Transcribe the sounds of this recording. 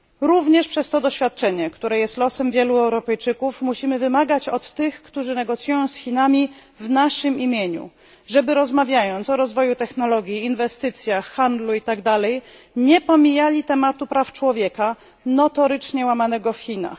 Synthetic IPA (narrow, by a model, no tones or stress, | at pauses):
ɾuvɲɛʂpʂɛst̪ɔd̪ɔɕfʲjat̪̚t͡ʂɛɲɛkt̪uɾɛjɛst̪lɔsɛmvʲjɛluɛwɾɔpɛjt͡ʂɘkufmuɕimɘvɘmaɡat͡ɕɔt̪ːɘxkt̪uʐɘnɛɡɔt̪sjujɔ̃w̃sxʲinamʲi | vnaʂɘmimʲjeɲṵ | ʐɛbɘɾɔzmavʲjajɔnt̪sɔɾɔzvɔjut̪ɛxnɔlɔɡʲjiːnvɛst̪ɘt̪sʲjaxːand̪luit̪aɡd̪alɛj | ɲɛpɔmʲijalʲit̪ɛmat̪upɾaft͡ʂwɔvʲjɛka | nɔt̪ɔɾɘt͡ʂɲɛwamanɛɡɔfxʲina̰x